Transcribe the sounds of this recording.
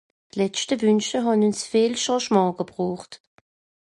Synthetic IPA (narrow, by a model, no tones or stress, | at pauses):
tlɛt͡ʃtəvynʃtəɦɑnynsfeːlʃɑ̃ːʃmɑ̃ːɡ̥əbʁuːχt